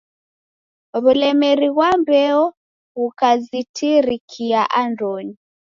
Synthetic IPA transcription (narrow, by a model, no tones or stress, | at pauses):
βulɛmɛɾiɣwambɛɔ | ɣukazitʰiɾikʰiaʔandɔni